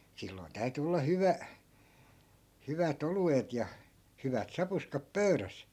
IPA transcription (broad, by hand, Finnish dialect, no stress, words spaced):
silːoi̯n tæy̞ty olːɑ hyʋæ hyʋæt oluet jɑ hyʋæt sɑpuskɑp pøyræs